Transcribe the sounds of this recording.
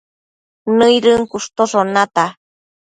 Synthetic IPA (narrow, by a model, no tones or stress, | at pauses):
nɨjɾɨŋkuʂt̪osonat̪a